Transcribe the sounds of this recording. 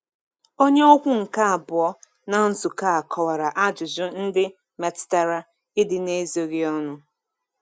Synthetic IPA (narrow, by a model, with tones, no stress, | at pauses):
o˦ɲe˦ɔ˦kʷʊ˦ŋ̩˨ka˦a˨bʊ˨ɔ˦ | na˨n̩˦zʊ˨ka˦a˨kʰɔ˨wa˨ɾa˨ʔa˦d͡ʒʊ˨zʊ˦n̩˦dɪ˦ | me˨tta˦ɾa˦ | ɪ˦dɪ˨ne˦zo˨ɣi˦ɔ˦nʊ˦